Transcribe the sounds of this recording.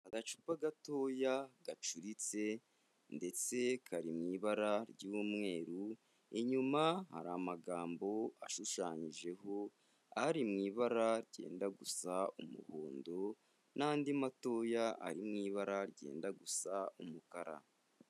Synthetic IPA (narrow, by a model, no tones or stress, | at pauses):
aɡat͡ʃu̥paɡato̞jaɡat͡ʃuɾit͡se̞ | nde̞t͡se̞kʰaɾimŋiːβaɾaɾɟuumŋe̞ːɾu | eɲumaha̰ɾamaɡaːmbo̞aʃuʃaːɲiʒe̞ɦo̞ | aɾimŋiːβaɾaɾɟe̞̰ːndaɡusaumṵhoːndo̞ | naːndimato̞ːjaʔa̰ɾimŋiːβaɾaɾɟe̞̰ːndaɡusaumukaɾa̰